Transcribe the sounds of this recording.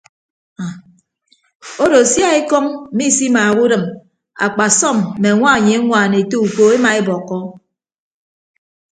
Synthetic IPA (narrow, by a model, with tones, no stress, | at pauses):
a˨ | o˦do˨sja˦e˦kɔ˦ŋm̩˦mi˦˨si˦ma˨ɣu˦dɨ˨m | a̰˨k͡pa˨sɔ˦˨m̩ː˨e˨ŋʷa˦˨ɲe˨a˦ŋʷa˨ne˨to˦u˨ko˨e˦ma˨e˦bɔ˨kːɔ˦